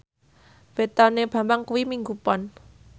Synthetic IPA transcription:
b̥et̪aneb̥ä̤mbaŋkuwimiŋɡupɔn

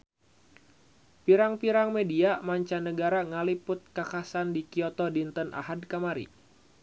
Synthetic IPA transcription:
piɾaŋpiɾaŋmediamaɲt͡ʃanəɡaɾaŋalipʊt̪̚kakasandikiɔt̪ɔdint̪ənʔa̰ɦad̚kamaɾḭ

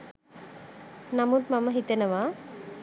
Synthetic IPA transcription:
namut̪maməɦit̪enəʋa

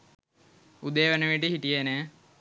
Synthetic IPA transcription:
ud̪ejʋenəʋiʈəɦiʈijene

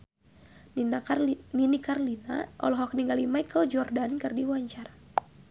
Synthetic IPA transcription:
naninikarlina̰ʔɔ̰lɔɦɔk̚niŋɡalimajkəld͡ʒɔrdankərdiwaɲt͡ʃara

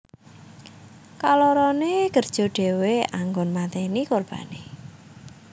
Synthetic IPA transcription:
kalɔɾɔneɡ̥ərd̥ʒ̥ɔ̤ɖ̥e̤weaŋɡɔnmat̪ɛnikorb̥a̤ne

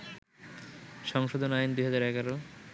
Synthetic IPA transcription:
ʃɔŋʃod̪ʱonaind̪ujɦad͡ʑaɾɛɡaɾo

